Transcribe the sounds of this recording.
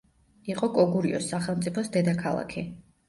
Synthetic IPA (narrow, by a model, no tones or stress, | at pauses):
iqʼɔkʼɔɡuɾiɔ̰sːaχɛlˠmt̪sʼipʰɔsd̪ɛd̪akʰalˠa̰kʰi